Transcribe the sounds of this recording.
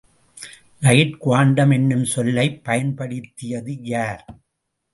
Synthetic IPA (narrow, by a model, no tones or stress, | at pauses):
nɐjɪʈkʊʋaːɳɖɐmɛnːɯmsɔlːɐɪpːɐjɐnpɐɽɪt̪ːɪjɐðɯjaːɾ